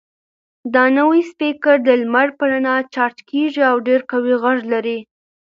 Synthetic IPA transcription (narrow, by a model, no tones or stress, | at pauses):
d̪ɑnəwijspikaɾd̪əlmaɽpəɾanat͡ʃɑɾtkeʐiawɖeɾkawiɣaʐlaɾi